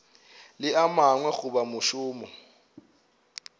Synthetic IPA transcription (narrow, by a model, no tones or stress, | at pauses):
lɪamaŋwɛɣʊbamʊʃʊːmɔ